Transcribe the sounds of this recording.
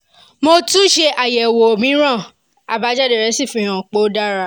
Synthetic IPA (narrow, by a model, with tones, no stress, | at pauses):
mo˧tũ˦ʃe˧ʔa˨jɛ˨wo˨mĩ˨˦ɾ̃ã˦˨ | a˨ba˨˦d͡ʒa˦de˨ɾɛ˨˦si˦˨fĩ˦˨ɾ̃ã˨k͡po˦da˦ɾa˦